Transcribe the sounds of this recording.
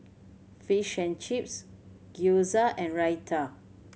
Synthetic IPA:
fiʃə̃nt͡ʃip̚s | ɡ̥juzəʔɛ̃nɹajtʰə

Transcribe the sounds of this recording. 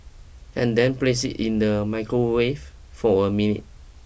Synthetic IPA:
ʔɛ̃ndɛ̃nplesḭtĩndəmaɪkɹowef | fɔəminḭt̚

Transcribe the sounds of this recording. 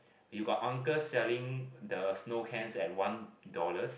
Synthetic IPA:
juɡɔtãŋkəsɛlĩŋdəsnokʰɛ̃nsɛt̚wãndɔləs

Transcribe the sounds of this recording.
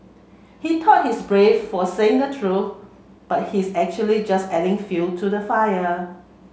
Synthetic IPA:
hitʰɔt̚hisbɹeffɔseɪ̃ŋdətʰɹuθ | b̥at̚hisɛk̚t͡ʃuəlid͡ʒasɛdɪ̃ŋfultʰudəfajə

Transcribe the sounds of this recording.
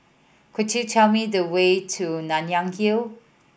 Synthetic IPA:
kʰɪtʰutʰɛlˠmiðəweɪtʰunanjãŋɡil

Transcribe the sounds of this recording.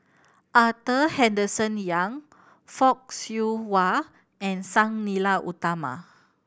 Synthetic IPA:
ʔat̪əhɛ̃ndəsə̃njãŋ | fɔk̚sjuwa | ɛ̃nsãŋnilaʔut̪ama̰

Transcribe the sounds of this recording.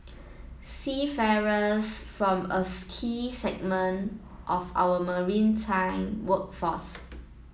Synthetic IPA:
sifɛɹəsfɹɔ̃məskʰisɛɡ̚mə̃n | ʔɔfa̰wəməɹĩntʰãɪ̃mwək̚fɔs

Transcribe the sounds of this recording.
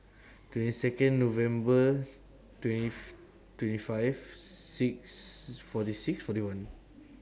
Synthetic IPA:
twɛ̃ntisɛkə̃nːovɛ̃mbə | twɛ̃ni | twɛ̃ntifaɪvsik̚sfɔtisiksfɔtiwãn

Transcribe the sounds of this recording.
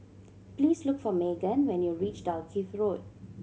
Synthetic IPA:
pliːslʊkfɔmeɡə̃nwɛ̃njuɹit͡ʃtaəkʰifɹod

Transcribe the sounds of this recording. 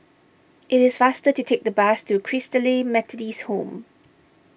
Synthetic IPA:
ʔɪtɪsfastətutʰek̚d̪əbastukʰɹɪstəlimɛtʰədishõm

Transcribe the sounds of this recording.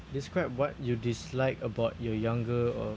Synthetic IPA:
diskɹaɪp̚wɔt̚judislaɪkəbaʊt̚jɔjãŋɡəɔ̰

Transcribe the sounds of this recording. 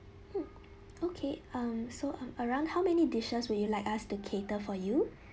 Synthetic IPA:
okʰeʌ̃msoʔʌ̃məɹãʊ̃ndhaʊmɛnidiʃəswudjulaɪkastukʰetəfɔju

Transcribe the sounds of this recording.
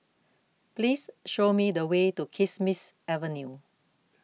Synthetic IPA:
plisʃomidəwetukʰismisɛvənju

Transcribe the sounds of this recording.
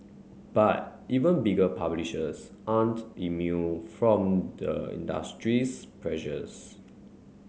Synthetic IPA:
b̥at̚ʔivə̃nbiɡəpʰabliʃəsʔãntimjufɹɔ̃mdəḭ̃nda̰stɹispʰɹɛʃəs

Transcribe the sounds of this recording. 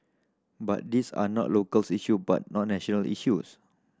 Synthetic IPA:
ba̰t̚disa̰nɔ̰ʔlokəlsiʃuba̰t̚nɔʔ̚nɛʃɔ̃nəlḭʃus

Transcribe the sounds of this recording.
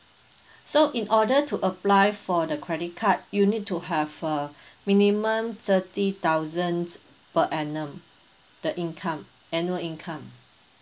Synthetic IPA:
soʔĩnʔɔdətʰuʔəplajfɔdəkʰɹɛdit̚kʰat̚junit̚tuɦɛvəmĩnimə̃mt̪ʰətit̪awzə̃ns | pəʔɛnə̃m | d̥əʔĩnkʰãm | ɛ̃njuəlĩnkʰãm

